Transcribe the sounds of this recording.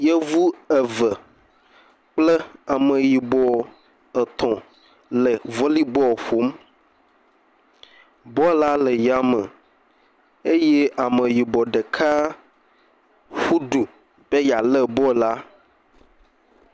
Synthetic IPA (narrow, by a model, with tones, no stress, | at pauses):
jɛ˦vu˦ɛ˨və˨ | k͡plə˦a˨mə̃˨ji˨bɔ˨ | ə˨t̪ʰɔ̃˨ | lə˨vɔ˦li˦bɔ˦˨ɸo˨˦m | bɔ˦la˦lə˨ja˨mə̃˨ | e˦je˦ʔa˨mə˨ji˨bɔ˨ɖe˨kʰa˦ | ɸu˦ɖu˨ | b̥e˦ja˨lə˦bɔ˦˨la˦